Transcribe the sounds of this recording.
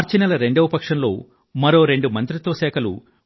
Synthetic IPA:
ɾt͡ʃinɐlɐɾe̞ɳɖɐʋipɐkʂɐnlo̞̰ː | mɐɾo̞ːɾe̞ɳɖumɐnt̪ɾit̪ʋɐʃɛːkʰɐlṵ

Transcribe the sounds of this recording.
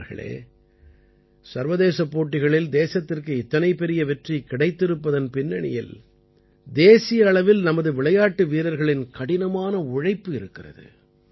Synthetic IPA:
ɾɣɐ̰ɭḛː | sɐɾʋɐðeːsɐpːoːʈːɪɣɐɭɪld̪eːsɐt̪ːɪrkɯɪt̪ːɐnɐɪpːɛɾɪjɐʋɛʈrikɪɽɐɪt̪ːɪɾɯpːɐðɐnpɪnːɐɳɪ̰jɪ̰l | d̪eːsɪjɐːɭɐʋɪlnɐmɐðɯʋɪɭɐjaːʈːɯʋiːɾɐɾɣɐɭɪnkɐɽɪnɐmaːnɐʊɻɐɪpːɯɪɾɯkːɪrɐ̰ðɯ̰

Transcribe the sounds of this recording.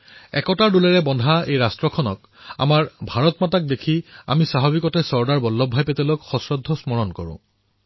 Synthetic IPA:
ɛ̰kɔtaɹdulɛɹɛbɔndʱaejɹastɹɔkʰɔnɔ̰k | a̰maɹbʱaɹɔtmatak̚dekʰia̰misaɦabikɔtɛsɔɹdaɹbɔlːɔbʱajpetɛlokxɔsɹɔdʱːɔsmɔɹɔnkɔɹʊ̰̃

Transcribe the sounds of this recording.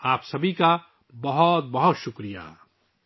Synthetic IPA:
aːpsɐbʱika | bɐɦɔt̪̚bɐɦʊt̪ʃʊkɾija̰

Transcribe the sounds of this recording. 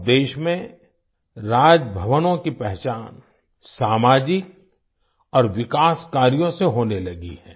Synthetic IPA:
d̪eːʃmẽ | ɾaːd͡ʒbʱəʋənõkipɛɦt͡ʃaːn | saːmaːd͡ʒɪk̚ | ɔːɾʋɪkaːskaːɾjõseɦoːnelɐɡḭɦɛ̰̃ː

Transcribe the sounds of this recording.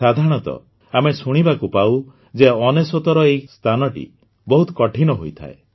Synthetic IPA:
sad̪ʱaɾɽ̃ɔt̪ɔ̰ | amesuɽ̃ibakupaw | d͡ʒeɔnesɔt̪ɔɾɔejst̪ʰanɔʈḭ | bɔɦut̪ɔkɔʈʰinɔɦojt̪ʰa̰e

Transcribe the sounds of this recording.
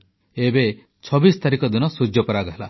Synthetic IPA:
ebe | t͡ʃʰɔbist̪ʰaɾikɔd̪inɔsud͡ʒjɔpɔɾaɡɔɦela

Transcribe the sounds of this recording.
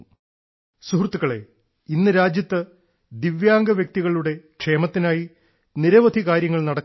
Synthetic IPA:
suhrt̪ːuɣɐɭe̞̰ | inːɨɾaːd͡ʑjɐt̪ːɨ | d̪iʋjaːŋɡɐʋjɐk̚t̪iɣɐɭuɽe̞kʂe̞ːmɐt̪ːinaːji | niɾɐʋɐd̪ʱikaːɾjɐŋːɐɭnɐɽɐkː

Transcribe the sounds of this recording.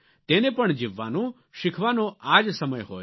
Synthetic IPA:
t̪enepəɳd͡ʒɪʋːa̰no | ʃɪkʰʋanoad͡ʒsəməjɦo

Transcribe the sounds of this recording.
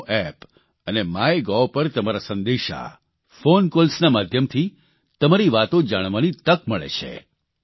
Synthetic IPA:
ʔɛp | ənemaeɡɔpəɾt̪əmaɾasə̃nd̪eʃa̰ | fonkolsnamad̪ʱjəmt̪ʰi | t̪əmaɾiʋat̪od͡ʒaɽ̃ʋanit̪əkməɭḛt͡ʃʰḛ

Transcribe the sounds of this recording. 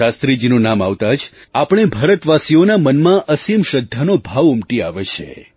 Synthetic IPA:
ast̪ɾid͡ʒinũnamaʋt̪ad͡ʒ | apɽ̃ebʱəɾət̪ʋasionamənmãʔəsimʃəd̪ʱːanobʱaʋʊmʈia̰ʋet͡ʃʰḛ

